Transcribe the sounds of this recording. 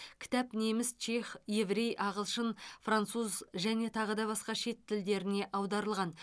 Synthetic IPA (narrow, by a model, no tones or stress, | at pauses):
kʲʰɪ̥t̪æpne̞mɪst͡ʃʰe̞χje̞vɾe̞jʔɑʁəlˠʃənfrant̪suzʒæne̞t̪ʰɑʁəd̪ɑβɑsqɑʃe̞t̪ʰːɪld̪e̞ɾɪne̞ʔɑwd̪ɑɾəlˠʁɑn